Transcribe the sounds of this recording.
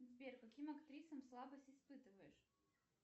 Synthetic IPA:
zʲbʲerkɐkʲimɐkt̪ɾʲisəmslˠabəsʲtʲɪspɨt̪ɨvəjɪʂ

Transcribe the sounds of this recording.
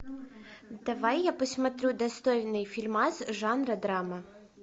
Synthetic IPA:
d̪̥ɐʋajːapɔsʲmɐt̪ɾʲud̪ɐst̪ɔjnɪjfʲilʲmazʒɑnɾɐd̪ɾamɐ

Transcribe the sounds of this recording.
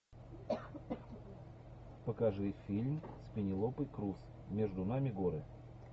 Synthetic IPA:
pəkɐʐɨfʲilʲmsʲpʲɪnʲɪlˠopɨjkɾus | mʲeʐd̪ʊnamʲɪɡoɾɨ

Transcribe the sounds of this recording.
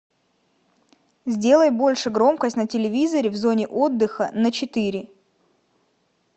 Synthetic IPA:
zʲdʲe̞lˠəjbo̞lʲʂɨɡɾo̞mkəsʲtʲnətʲɪlʲɪvʲizəɾʲɪvzo̞nʲɪʔo̞d̪ːɨxənət͡ɕɪt̪ɨɾʲɪ

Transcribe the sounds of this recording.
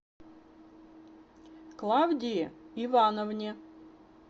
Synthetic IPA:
klˠawdʲɪjɪɪvanəvnʲɪ

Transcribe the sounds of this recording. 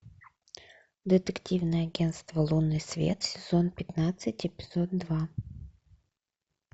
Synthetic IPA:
d̪ət̪ɨktʲivnɨjəɐɡʲenst̪vəlˠunɨsvʲḛt̪sʲɪzonpʲɪt̪nat̪sɨtʲɪpʲɪ̥z̥od̪d̪va

